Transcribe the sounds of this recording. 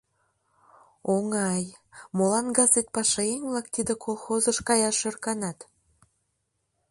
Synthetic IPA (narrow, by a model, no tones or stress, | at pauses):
oŋɑj | molɑnɡɑzet̪̚pɑʃɑeŋβlɑk̚t̪id̪ekʰolˠxozəʃkɑjɑʃø̆rkɑnɑt̪